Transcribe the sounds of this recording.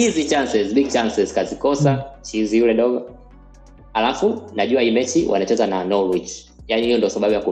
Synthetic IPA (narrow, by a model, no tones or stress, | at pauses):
hizit͡ʃansɛzbiɡ̚t͡ʃansɛzkazikɔsat͡ʃizijulɛdɔɡɔ | halafunaʄuwahimɛt͡ʃiwʔa̰nat͡ʃɛzananɔlwit͡ʃ | janihijɔndiɔsaɓaɓujaku